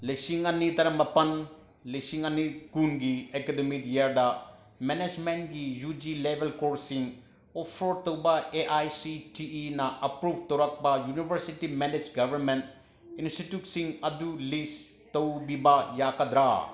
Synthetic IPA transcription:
lesiŋɐnːit̪ɐɾɐmbɐpɐn | lɐsiŋɐnːikunɡiekedemidjaɾdɐ | mened͡ʒmenʈɡijud͡ʒilebʱelkoɾsiŋ | ɔpʰɔɾt̪ɐwbɐeʔajsiʈiinɐʔɐpɾubʱt̪ɐwɾɐk̚bajunibʱɐɾsitimened͡ʒɡɐbʱɐɾment | insʈitjuʈsiŋɐdulis | tɐwbibajakɐd̪ɾa

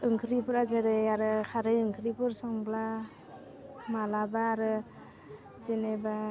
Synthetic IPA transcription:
ɯŋkʰɯɾipɯɾazeɾɯjaɾɯkʰaɾɯjɯŋkʰɯɾipɯɾsɔŋbla | malabaːɾɯ | seneba

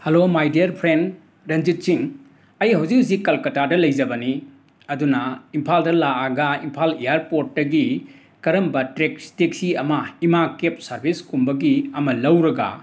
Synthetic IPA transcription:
helomajdiɐɾpʰɾend | ɾɐnd͡ʒit̚t͡ʃiŋ | ɐjɦɐwzikzikɐlkɐtadɐlɐjd͡ʒɐbɐni | ɐdunɐimpʰaldɐlaaɡɐimpʰalijaɾpot̚dɐɡi | kɐɾɐmbɐtɾekstek̚siɐmɐimakep̚sɐɾbʱiskumbɐɡiɐmɐlɐwɾɐɡɐ̰

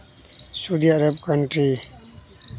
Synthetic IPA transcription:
suːd̪iːaɾəbkəɳʈɾi

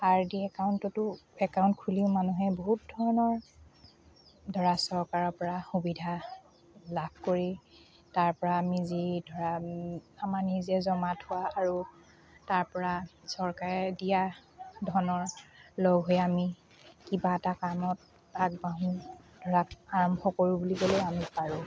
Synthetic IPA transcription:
aɹdiɛkaʊntɔtʊɛkaʊ̃ntkʰuliʊ̃manuɦɛboɦut̚dʱɔɹɔnɔɹ | dʱɔɹasɔɹkaɹɔpɔɹaxubidʱa | lab̚ʱkoɹi | taɹpɔɹaːmizidʱɔɹaamaɹnizɛzɔmatʰʊwaːɹu | taɹpɔɹasɔɹkaɹɛdijadʱɔɹɔnɔɹlɔɡɦojami | kibaɛtakamɔt̚ | aɡ̚baɦũ | dʱɔɹakaɹɔmbʱɔkoɹubulibolojamipaɹũ

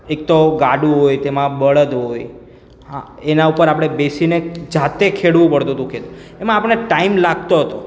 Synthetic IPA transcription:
ek̚t̪oɡaɖũɦojt̪emãbəɭəd̪ɦoj | ɦã̰enaupəɾapɽ̃ebesined͡ʒat̪ekʰeɽʋũpəɭt̪ũt̪ũkʰet̪uemãːpəɳneʈaimlaɡt̪oɦət̪o

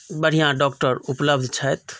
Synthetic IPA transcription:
bəɽ̤ʱijãɖɔːkʈəɾupləbd̪ʱt͡ʃʰəjt̪

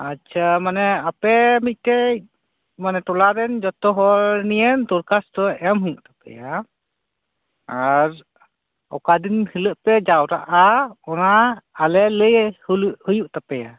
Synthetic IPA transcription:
at͡ʃʰamanɛapɛmit̪̚ˀtɛ | manɛʈɔlaɾɛnd͡ʒɔt̪ɔɦɔɾnijɛnt̪uɾkast̪ɔɛmɦujuʔt̪ḁpɛ̰ja | aɾ | ɔ̰kad̪inhiləʔpɛd͡ʒawɾa̰ʔaɔnaːlɛləjhhujuʔt̪apɛja

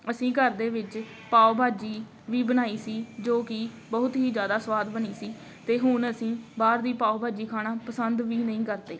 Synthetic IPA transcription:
əsĩːkəɾd̪eːʋɪt͡ʃ | paːobʱaːd͡ʒiː | ʋiːbənaːiːsiːd͡ʒoːkɪ | bəɦʊt̪ɦiːd͡ʒjaːd̪aːsʋaːd̪bəniːsiː | t̪eːɦʊnəsĩːbaːɾd̪iːpaːobʱaːd͡ʒiːkʰaːɽaːpəsənd̪ʋiːnəĩːkəɾd̪eː

